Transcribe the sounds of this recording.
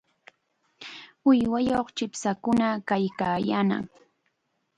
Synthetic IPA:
ʊjwajoχt͡ʃɪpsakʊnakajkaːjana̰ŋ

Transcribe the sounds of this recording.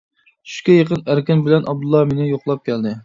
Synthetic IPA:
y̥ʃkʲɛjəqənæɾkʲɪnbɪlɛnʔɑb̚d̪ulˠːɑmenɪjoqlˠɑp̚kʲɛld̪ɪ

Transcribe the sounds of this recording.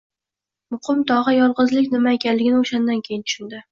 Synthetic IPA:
mʊqʰɨmt̪ʰɒʁɑjɒlˠʁɨzlɪkʲnɪmaekʲanlɪɡʲɪnɪoʃand̪ankʲʰejɪnt̪ʰʊ̥ʃʊnd̪ɪ

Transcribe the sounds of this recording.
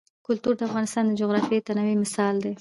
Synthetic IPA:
kʊlt̪uɾd̪əafɣɑnɪst̪ɑnd̪əd͡ʒoɣɾɑfiet̪anawimɪsɑld̪e

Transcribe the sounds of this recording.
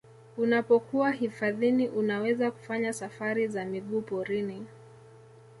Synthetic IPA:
unapɔkuwaɦifaðiniʔunawɛzaku̥faɲasafaɾizamiɠuːpɔɾini

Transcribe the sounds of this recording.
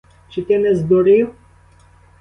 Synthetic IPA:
t͡ʃit̪ʲɛnɛzd̪oɾiw

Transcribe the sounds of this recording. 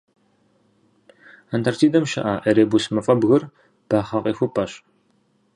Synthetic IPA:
antʰartʰiːdɐmʃɐ̰ʔaːʔɐɾeːbusmɐfʼɐbɣɨr | b̥aːχɐqʼiːxʷupʰʼɐɕ

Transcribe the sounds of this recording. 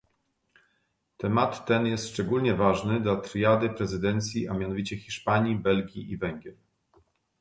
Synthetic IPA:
t̪ɛmat̪ːɛnjɛst̪ʂt͡ʂɛɡulɲɛvaʐnɘd̪lat̪ɾjad̪ɘpɾɛzɘd̪ɛnt̪sʲjiʔamʲjanɔvʲit͡ɕɛxʲiʂpaɲibɛlɡʲiʔivɛŋɡʲjɛɾ

